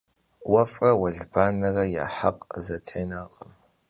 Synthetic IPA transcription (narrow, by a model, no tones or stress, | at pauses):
wɐfʼɐwɐɮbaːnɨrɐja̰ːħaqʼzɐtʰejnaːqʼəm